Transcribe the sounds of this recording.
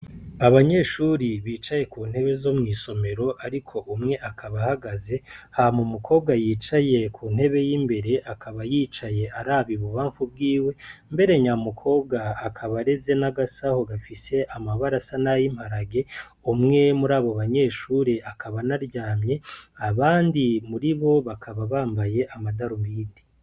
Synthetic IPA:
aβaɲe̞ːʃuːɾiβiːt͡ʃaje̞kuːn̥he̞βe̞zo̞mŋiːso̞me̞ɾo̞ʔaɾikʰo̞ʔumŋe̞ʔakʰaβahaɡaze̞hamumukʰo̞ːb̚ɡajiːt͡ʃaje̞kʰuːn̥he̞βe̞jiːmbe̞ɾe̞ʔakʰaβajiːt͡ʃaje̞ʔaɾaːβiβuβaːɱfubɡiːwe̞mbe̞ɾe̞ɲamukʰo̞ːb̚ɡaːkʰaβaɾe̞ze̞naɡasaho̞ɡafise̞ʔamaβaɾasanajim̥haɾaɡe̞ | umŋe̞muɾaːβoβaɲe̞ːʃuːɾe̞ʔakaβanaɾɟaːmɲe̞aβaːndimuɾiβo̞βakʰaβaβaːmbaje̞ʔamadaɾumbiːdi̥

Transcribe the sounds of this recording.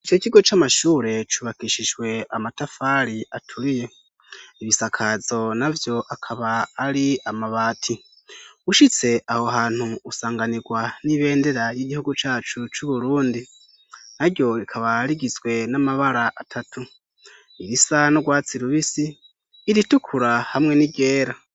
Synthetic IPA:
it͡ʃo̞ciɡo̞t͡ʃamaʃuːɾe̞t͡ʃuβakiʃiʒwe̞amatafaɾiʔatʰuɾije̞ | iβisakʰazo̞navjo̞ʔakʰaβaːɾiamaβaːtʰi | uʃit͡se̞ʔaho̞ɦaːn̥huusaːŋɡaniɡwaniβe̞ːnde̞ɾajiɟihuɡut͡ʃaːt͡ʃut͡ʃuβuɾuːndi | naɾɟjo̞ɾikʰaβaɾiɡizwe̞namaβaɾaʔatʰatu | iɾisanoɡwaːt͡siɾuβisiː | ɾitukʰuɾahamŋe̞niɟe̞ːɾa

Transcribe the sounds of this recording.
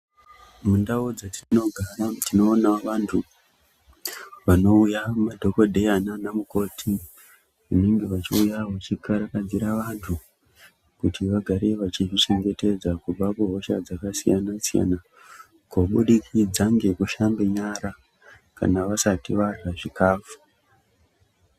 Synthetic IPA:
mundaod͡zatino̞ɡʱaɾatino̞ːnaʋantʰu | ʋano̞ujamadʱo̞ko̞dʱe̞jananamuko̞tʰi | ʋune̞ŋɡe̞ʋat͡ʃiujawat͡ʃikaɾakad͡ziɾaʋantʰu | kutiʋaɡʱaɾe̞ʋat͡ʃiʐit͡ʃe̞ŋɡe̞te̞d͡zakub͡vakoɦo̞ʃa̰d͡zakasḭjanasija̰na | koɓuɗikʰid͡zaŋɡe̞kuʃambe̞ɲaɾa | ka̰naʋasatiʋaraʐikaːfu̥

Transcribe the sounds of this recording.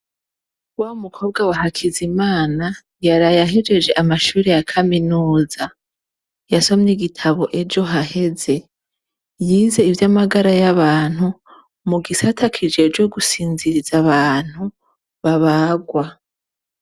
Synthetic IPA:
waumukʰo̞ːb̚ɡawaɦakʰizimaːna | jaɾajaɦed͡ʒe̞d͡ʒe̞ʔamaʃuːɾejakʰaminuːza | jaso̞mɲiɡitʰaβo̞ʔe̞d͡ʒo̞ɦaɦe̞ze̞ | jiːze̞ivjamaɡaɾajaβaːn̥hu | muɡisatʰakʰid͡ʒe̞d͡ʒwo̞ɡusiːnziɾizaβaːn̥hu | βaβaɡwa

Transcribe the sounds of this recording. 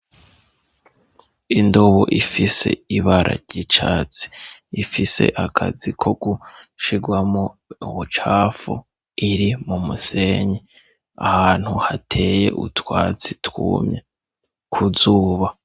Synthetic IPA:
indoβoʔifise̞̰iβaɾʔa̰ɾɟit͡ʃaːt͡si̥ifise̞̰ʔakʰa̰zikʰo̞ɡuʃiɡwamouwut͡ʃaːfṵ | iɾimumuse̞ɲe | ahaːn̥huhatʰe̞je̞̰ʔṵtwaːt͡sitwuːmɲe | kʰuzuːβa

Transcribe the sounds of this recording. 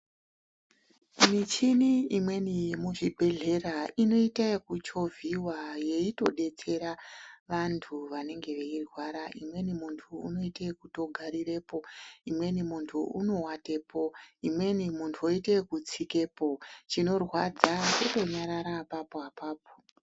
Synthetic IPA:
mit͡ʃiniimwe̞nijemuʐibʱe̞ɮe̞raʔino̞itakut͡ʃo̞vʱiwaje̞ito̞̰ɗe̞t͡se̞ɾaʋantʰuʋane̞ŋɡe̞ʋe̞irwaɾaʔimwe̞nimuntʰṵːno̞itekuto̞ɡʱaɾire̞ːpo̞imwe̞nimuntʰuuno̞wate̞pʰo̞imwe̞nimuntʰuoitekut͡sike̞po̞t͡ʃino̞rwad͡zakoto̞ɲaɾaɾapapoapaːp̚o̥

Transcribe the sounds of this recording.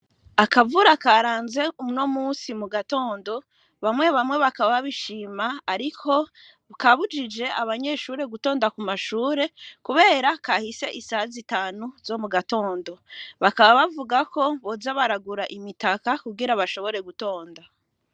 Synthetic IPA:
akavuɾakaɾaːnze̞umno̞muːsimuɡato̞ːndo̞ | βamŋe̞βamwe̞βakaβaβaβiʃiːmaːɾikʰo̞ | kaβud͡ʒid͡ʒe̞aβaɲe̞ʃuɾe̞ɡuto̞ːndakumaʃuːɾe̞kuβe̞ːɾakahise̞ʔisahzitaːnuzo̞muɡato̞ːndo̞βakaβaβavuɡako̞βo̞zaβaɾaɡuɾaʔimitakakuɡiɾaβaʃo̞βo̞ɾe̞ɡuto̞ːnda

